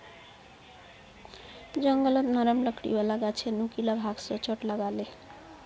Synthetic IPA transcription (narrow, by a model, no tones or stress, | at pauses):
d͡ʒʌŋɡʌlʌt̪nʌɾəmlʌkʰɽḭbalaɡat͡ʃʰenukilabʱaɡsʌt͡ʃəʈlʌɡale